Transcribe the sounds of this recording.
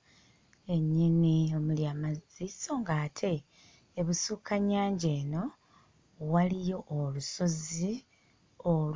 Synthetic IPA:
e̞ɲːinio̞muljamaziso̞ŋɡaːtʰe̞ː | βusukʰaɲaːɲɟe̞ːno̞ | walijo̞ʔːluso̞zi | ol

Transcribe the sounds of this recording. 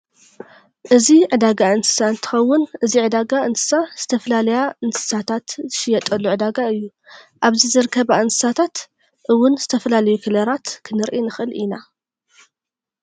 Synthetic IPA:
ʔɨziʕɨd̪aɡaɨnsɨ̥saɨnt̪ʰɨ̥xɐwːʊnʔɨziʕɨd̪aɡaɨnsɨ̥saz̥ɨt̪ʰɐfɐlalɐjaɨnsɨ̥sat̪ʰat̪zɨʃɪjɐt̪ʼɐlːuʕɨd̪aɡaɨjːu | ʔaβzizɨɾɨkʰɐβaʔɨnsɨ̥sat̪ʰat̪ | ʔɨwːʊnzɨt̪ʰɐfɐlalɐjukʰɨlɐɾat̪kʰɨnɨɾʔinɨxʔɨlʔina

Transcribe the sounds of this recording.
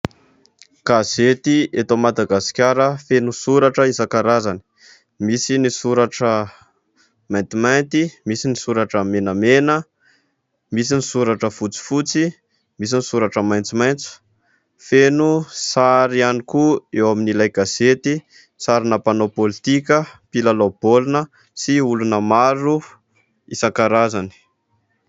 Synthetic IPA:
ɡ̥azet̪iet̪omad̪aɡasi̥kʲaɾəfenusuɾaʈ͡ʂəizakaɾazani̥ | misinisuɾaʈ͡ʂə | majnt̪imajnt̪imisinisuɾaʈ͡ʂəmenəmenə | misinisuɾaʈ͡ʂəfut͡si̥fut͡si | mis̬inisuɾaʈ͡ʂəmajnt͡simajnt͡su̥ | fenusaɾianikuewaminilajɡaz̥et̪i | saɾinəpanopolit̪ikʲəpilalob̥olunə | siulunəmaɾu | isaŋkaɾazani̥

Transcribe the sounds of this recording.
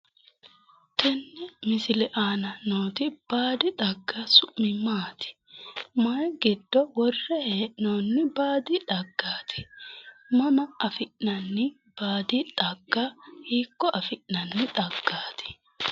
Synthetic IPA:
t̪ʰɛnːɛmɪsɪlɛʔaːnɐnoːt̪ɪb̥aːd̪ɪt̪ʼɐɡːɐsʊʔmɪmaːt̪ʰɪ̥ | mɐjɡɪd̪ːɔwɔrːɛheːʔnoːnːɪbaːd̪ɪᶑɐɡːaːt̪ʰɪ̥ | mɐmɐɐfɪʔnɐnːɪ | b̥aːd̪ɪᶑ̪ʼɐɡːahiːkːɔʔɐfɪʔnɐnːɪt̪ʼɐɡ̥ːaːt̪ʰɪ̥

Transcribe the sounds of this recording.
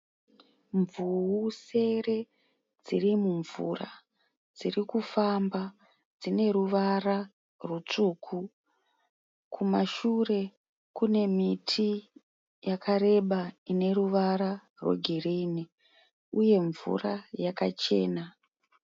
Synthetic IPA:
ɱvuuse̞re̞ | d͡zirimuɱvṵːra̰ | d͡zirikufamba | d͡zine̞ɾuʋara | rwut͡ʂuːkʰu | kʰumaʃure̞ | kune̞mitʰi | jakʰaɾe̞ɓaine̞ruʋaɾa | rwḛɡʱiriːni | uje̞ɱvṵrajakat͡ʃe̞̰ːna

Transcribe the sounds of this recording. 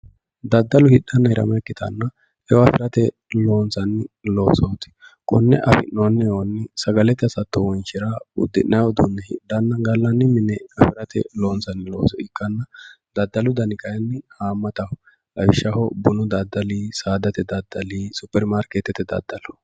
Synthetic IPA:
d̪ɐd̪ːɐlʊhɪɗːɐnːɐɪɾɐ̰mɐkːɪt̪ɐ̰nːɐ | ɛwɐfɪɾɐt̪ɛ | lo̞ːnsɐnːɪlo̞ːsɔt̪ɪ̥kʼɔnːɛ̰ʔɐ̰fɪ̰nːonːɛjɛwɐnːɪsɐɡɐlɛt̪ːɐsɐt̪ːɔwɔnʃɪɾaʊ̰d̪ːɪʔnɐjwɔd̪unːɛhɪ̰dːɐnːɐɡɐlːɐnːɪmɪnɛɐfɪɾɐt̪ɛ̰loːnsɐnːɪlo̰ːsɔɪkʼːɐnːɐ | d̪ɐd̪ːɐlʊd̪ɐnɪkɐjɐnːɪhaːmːɐt̪ɐhɔ | ɐɪʃːɐhɔbʊnʊd̪ɐd̪ːɐliːsaːd̪ɐt̪ɛd̪ɐd̪ːɐliːsʊpːɛɾmaːɾket̪ɛt̪ːɛd̪ɐ̰d̪ːɐlɔ̥

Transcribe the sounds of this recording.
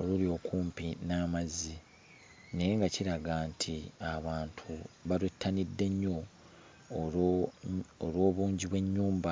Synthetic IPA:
olulio̞kuːmpinamazi | ne̞jeŋɡaciɾaɡaːntʰiaβaːntʰuβalwetːanidːe̞ɲːo̞ | olwo̞ːβuːɲɟiβwe̞ɲːuːmba

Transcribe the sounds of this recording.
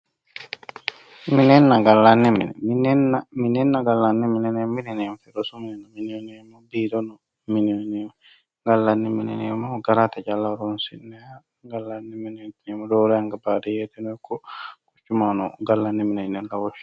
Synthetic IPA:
minɛnːaɡalːanːimḭnɛ̰minɛnaminɛnːaɡalːanːɛminɛnɛminɛnɛmfɛdɔsuminɛnːaminionɛmɔbidɔnɔ | minionɛ | ɡalːanːiminɛ̰nɛmɔɡaɾatad͡ʒalːaɾɔnsḭnːɛa | ɡalːanːiminɛnɛmɔdɔlɛaŋɡabadɛjɛtɛnɔkɔkut͡ʃːumanɔɡalːanːɛminɛnɛnlawɔ

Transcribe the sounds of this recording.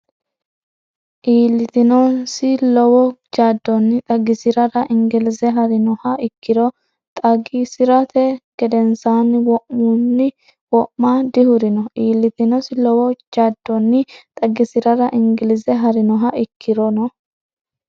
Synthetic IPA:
ʔiːlːɪt̪ɪnɔnsɪlɔwɔd͡ʒaːd̪ːɔnːɪt̪ʼɐɡɪsɪɾɐɾɐʔɪŋɡɪlɪsɛɦɐɾɪnɔhɐɪkːɪɾɔ | t̪ʼɐɡisɪɾɐt̪ɛɡ̥ɛd̪ɛnsaːnɪwɔʔmunːɪ | wɔʔmaːd̪ɪhʊɾɪnɔʔiːlːɪt̪ɪnɔsɪlɔwɔd͡ʒaːd̪ːɔnːɪt̪ʼɐɡɪsɪɾɐɾɐʔɪŋɡɪlɪzɛɦɐɾɪnɔɦɐɪkʰːɪɾɔnɔ

